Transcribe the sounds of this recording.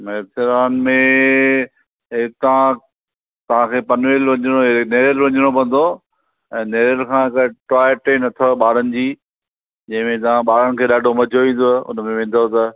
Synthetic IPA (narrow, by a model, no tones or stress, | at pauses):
meːsɪɾaːnmẽ | ɦɪkt̪ɐʋã | t̪ɐʋ̤ãkʰeːpɐnʋeːlʋɐ̃ɲɪɽ̃oneːɾəlʋɐ̃ɲɪɽ̃opɐ̃n̆d̪o | ɛ̃ːneːɾəlkʰãːɦɪkaʈaːɪjəʈeːnɐt̪ʰoɓaːɾənɪ̆d͡ʑiː | d͡ʑɐ̃ɦɪ̃mẽt̪ɐʋãɓaːɾəɽ̃ɪ̆kʰeːɗaːɖʱomɐd͡ʑʱoʋĩːn̆d̪oʊ̰nmẽʋɪ̃n̆d̪ʱot̪ɐ